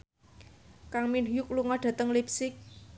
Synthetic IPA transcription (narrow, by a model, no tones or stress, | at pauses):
kaŋminujukluŋɔɖ̥ä̤t̪əŋlipsɪk̚